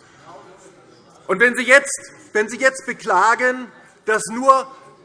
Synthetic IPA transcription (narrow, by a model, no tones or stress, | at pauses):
ʔʊntv̥ɛnziːjɛt͡stvɛnziːjɛt͡st̚b̥əklaːɡən | d̥asnuːɐ